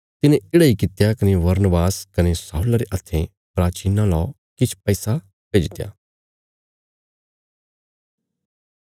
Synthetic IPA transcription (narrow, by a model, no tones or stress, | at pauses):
t̪ɪnẽɪːɽaikɪt̪jakɐneʋɐɾnəbaːskɐnesaːuːlaɾeʔɐt̪ʰːẽ | pɾaːt͡ʃiːnãlɔː | kɪt͡ʃʰpɛːsa | peːd͡ʒt̪eja̰ː